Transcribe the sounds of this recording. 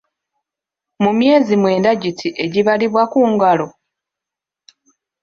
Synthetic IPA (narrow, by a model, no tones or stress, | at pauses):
mumje̞ːzimwe̞ːndaɟitʰiʔe̞ɟiβaliβwakuːŋɡalo̞